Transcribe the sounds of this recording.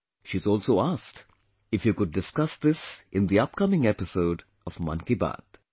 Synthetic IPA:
ʃizɔːlsoːasʈ | ɪfjukʊɖ̚ːɪskʌsd̪ɪsɪ̃nd̪iʌp̚kʌmɪ̃ŋɛpɪsoʊɖ | ɔvmʌ̰̃nkiba̰d̪̥

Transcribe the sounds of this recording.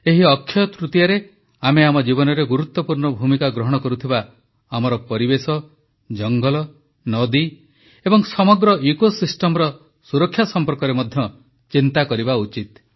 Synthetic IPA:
eɦiɔkʰːjɔt̪ɾut̪jaɾe | ameamɔd͡ʒibɔnɔɾeɡuɾut̪ːɔpuɾɳɔbʱumikaɡɾɔɦɔɽ̃ɔkɔɾut̪ʰiba | amɔɾɔpɔɾibesɔ | d͡ʒɔŋɡɔlɔ | nɔd̪i | ebɔŋsɔmɔɡɾɔʔikosisʈɔmɔɾɔ | suɾɔkʰːjasɔmpɔɾkɔɾemɔd̪ʱjɔ | t͡ʃint̪akɔɾibaut͡ʃit̪̚

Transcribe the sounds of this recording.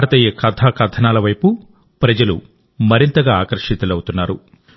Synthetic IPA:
aːɾɐt̪ɐjekɐt̪ʰaːkɐt̪ʰɐnaːlɐʋɐjpu | pɾɐd͡ʒɐlṵ | mɐɾint̪ɐɡaːaːkɐɾʂit̪ɐlɐwut̪unːaːɾu

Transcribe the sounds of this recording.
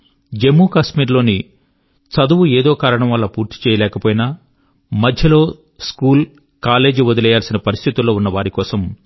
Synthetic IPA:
d͡ʒe̞mːuːkasmiːɾlo̞ːni | sɐd̪uwueːd̪oːkaːɾɐɳɐ̃mʋɐlːɐpuːɾt̪i̥t͡ʃɛːjɐlɛːkɐpoːjina | mɐd̪ʱjɐlo̞ː | skuːl | kaːle̞ːd͡ʒʋod̪ɐlɛjaːlsinɐpɐɾist̪ʰit̪ulːo̞ːunːɐʋaːɾikɔːsɐm

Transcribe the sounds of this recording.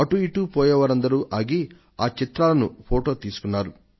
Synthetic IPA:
ɐʈuiʈuːpɔːjɐʋaːɾɐnd̪ɐɾuːʔaːɡi | aːt͡ʃit̪ɾaːlɐnṵpʰoːʈo̞ːt̪iːsu̥kunːaːɾu

